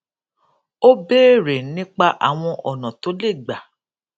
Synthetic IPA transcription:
o˦beː˦˨ɾe˨˦nĩ˦k͡pa˦ʔa̰˨w̃ɔ̃˧ʔɔ˨nã˨to˨˦le˦˨ɡ͡ba˨

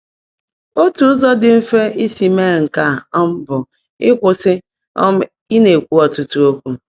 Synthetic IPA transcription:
o˦tu˨˦zɔ˦dɪ˨m̩˦fe˦i˦si˨me˦˨ŋ̩˨ka˦˨ɔ˦m̩˦bʊ˨ | ɪ˦kʷʊ˨sɪ˦ | i˦ne˨kʷu˦ɔ˨tu˨tu˦o˦kʷu˦

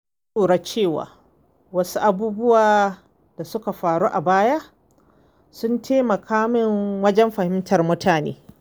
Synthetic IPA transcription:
sʼuː˨ɽa˦t͡ʃeː˦˨wa̰ː˨ | wɐ˦su˦ʔa˦buː˦bʊ˦waː˨ | d̥a˨sʊ˦ka˨ɸaː˨ɽuː˦ʔa˨baː˦ja˦ʔ | sʊ˦ntʰeː˦mɐ˨kʰaː˦mɪ˦ŋwɐ˦d͡ʒɛ˦mɸɐ˨hɪ˦mtʰɐ˨rmʊ˦tʰaː˨nḛː˦

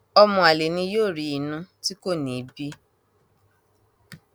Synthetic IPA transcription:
ɔ˧mɔ̃˧˨a˨le˨nĩ˧joː˦˨ɾi˨˧i˨nũ˧ti˦ko˦˨nĩ˨˦bi˦

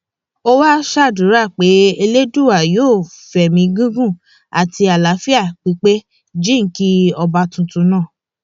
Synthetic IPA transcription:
o˦wa˦ʃa˦˨dũ˨˦ɾa˦˨k͡pe˨˦e˧le˦du˦˨wa˨joː˦˨fɛ˨mĩ˧ɡũ˦ɡũ˦˨ | a˨ti˧a˨la˨˦fi˦a˦˨k͡pi˨˦k͡pe˦ | d͡ʒĩ˦ŋ̩˨˦ki˦ɔ˧ba˧tũ˧tũ˨˧˦nãː˦˨

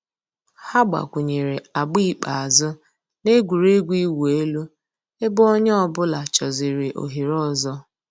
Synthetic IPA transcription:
ha˦ɡ͡ba̰˨kʷu˨ɲe˨ɾe˨a˨ɡ͡bi˦˨k͡pa˨a˨zʊ˦ | ne˦ɡʷu˨ɾe˦ɡʷi˦we˦lu˦ | e˦bʊ˦o˦ɲ˦ɔ˦bʊ˦la˨t͡ʃɔ˨zɪ˨ɾɪ˨ʔo̰˨ɦi˨ɾɔ˦˨zɔ˦

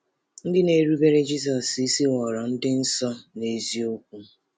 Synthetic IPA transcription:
n̩˦dɪ˦ne˨ɾu˦be˦ɾe˦d͡ʒi˦s̬ɔ˨si˦si˦wɔ˨ɾa˨n̩˦dɪ˦n̩˦sɔ˦ne˨zi˦o˦kʷu˦

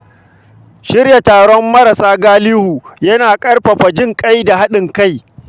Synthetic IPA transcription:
ʃɪ˦rja˨taː˨ɽɔ˦mːɐ˦ɾɐ˨saː˦ɡaː˦liː˦hu˨jɐ˦naː˨kʼɐ˦rɸɐ˨ɸɐ˨d͡ʒɪ˦ŋkʼa˦jda˨ha˦ɗɪ˨ŋka˦˨j

